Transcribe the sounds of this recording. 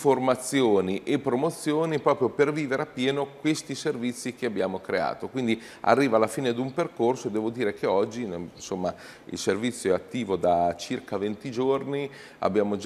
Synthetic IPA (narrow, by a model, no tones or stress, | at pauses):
format̪sːjoːniʔepːɾomot̪sːjoːnipɾɔːpɾjoperviːveɾeapːjɛːnokwest̪iservit̪sːikeabːjaːmokɾea̰ːt̪okwind̪i | a̰rːiːvalːafiːned̪umperkorsod̪ɛːvod̪iːɾekeɔd͡ʒːinnsomːa | ḭlservit̪sːjoɛat̪ːiːvod̪at͡ʃirkavent̪id͡ʒorni | a̰bjaːmod͡ʒ